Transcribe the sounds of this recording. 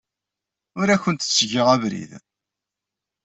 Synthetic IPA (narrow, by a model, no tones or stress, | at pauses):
ʊɾæçənt̪ə̥t͡sːʝiʁævɾḭð